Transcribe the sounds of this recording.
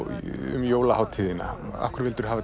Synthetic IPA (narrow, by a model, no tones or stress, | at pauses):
ʏ̰mjoːwlahawt̪ʰɪːðɪnːa̰a̰hkʏɾɪlt̪ʏɾ̥ɦaːva